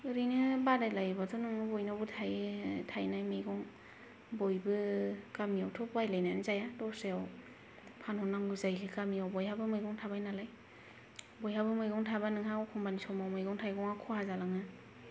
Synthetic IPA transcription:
ɯɾɯnɯbadajlajbatɔnɯŋɯbɔjnabɯtʰajtʰajnajmɯjɡɔŋ | bɔjbɯkamiawtʰɔpajlajnajnzajadɔseaw | pʰanhɔnaŋɡɯzajkʰɯkamiawbɔjhabɯmɯjɡɔŋtʰabajnalaj | bɔjhabɯmɯjɡɔŋtʰabanɯŋɦawkʰɔŋbanisɔmawmɯjɡɔŋtʰajɡɔŋakʰɔhazalaŋɯ

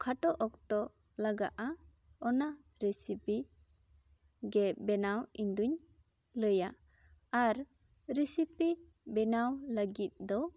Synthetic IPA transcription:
kʰaʈɔʔɔk̚t̪ɔ | laɡa̰ʔa | ɔna | ɾɛsipi | ɡɛbɛnawiɲd̪uɲ | ləja | aɾ | ɾisipi | bɛnawləɡit̪̚d̪ɔ

